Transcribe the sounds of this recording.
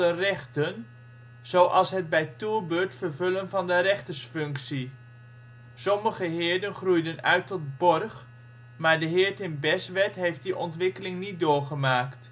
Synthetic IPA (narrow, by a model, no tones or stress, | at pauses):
ərɛχtən | z̥owʔɑlˠsɦəd̚bɛjtuɹbøːɹtfəɹvɵlənvɑndəɾɛχtəsfɵŋksi | sɔməχəɦɪːɹdənχrujdənœ̰ɥtɔt̚bɔrχ | maːɹdəɦɪːɹtɪnbɛsʋɛtɦejft̚diʔɔntʋɪkəlɪŋnit̚dʊːɹχəmaːkt